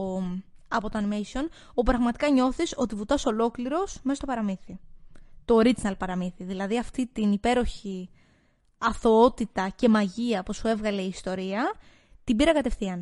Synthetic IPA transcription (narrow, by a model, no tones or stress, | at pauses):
ɐpo̞t̪oɐnimejsio̞n | opɾɐɣmɐt̪i̥kɐɲo̞θiso̞t̪ivut̪ɐso̞lo̞kliɾo̞smest̪opɐɾɐmiθit̪o̞ːɾid͡znɐlpɐɾɐmiθiðilɐðiɐft̪it̪inipe̞ɾo̞çi | ɐθoot̪it̪ɐce̞mɐʝiɐposue̞vɣɐle̞iːst̪o̞ɾiɐ | t̪ibiɾɐkɐt̪e̞fθiɐn